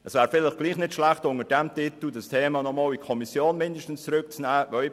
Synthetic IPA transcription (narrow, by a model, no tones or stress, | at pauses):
ɛsvɛːɾfɪləχɡ̥liːχnɪtʃlæχtʊŋəd̥ɛmtɪtl̩d̥astʰeːmɑːnɔmɑːlikʰɔmisjoːnmɪndəʃtn̩st͡sɾʏk̚t͡snæːvœ